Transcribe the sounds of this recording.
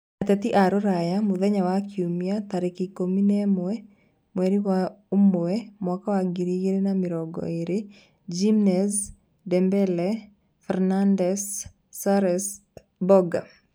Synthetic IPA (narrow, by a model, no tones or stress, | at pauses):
atɛt̪iʔaɾoɾajamuðɛɲawakiumjataɾekikominɛmoɛ | mwɛɾiwaumoɛmwɔkawaɡiɾiɡeɾenamɪɾɔɡɔ̰eɾe | d͡ʒimnɛs | dɛmbɛlɛ | fɛɾnandɛsː | aɾɛs | bɔɡa